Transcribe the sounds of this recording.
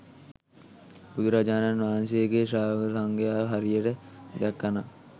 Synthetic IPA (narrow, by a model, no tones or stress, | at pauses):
bud̪ɾad͡ʒaːnanʋaːnseɡeʃaːʋsaŋɡejaːʋəɦɐɾijəʈəd̪ɛkːana